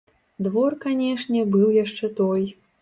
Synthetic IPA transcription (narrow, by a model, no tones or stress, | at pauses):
d̪vɔrkanʲɛʂnʲɛbɨwjaʂt͡ʂɛt̪ɔj